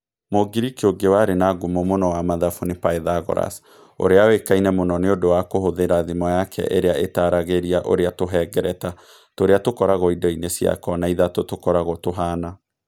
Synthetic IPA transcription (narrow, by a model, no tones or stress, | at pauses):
moɡiɾikeoɡewaɾenaɡumomonɔwamaðafunepaeðaɣɔ̰ɾa̰s | o̰ɾeawekainɛmonɔneodowakohoðeɾaðimɔjakʰɛ̰ʔeɾeaʔetaɾaɣeɾiaʔo̰ɾeatoɦɛːɡɛɾɛta | toɾeatokɔɾaɣɔidɔinesja̰kɔnaiðatotokɔɾaɣɔtoɦaːna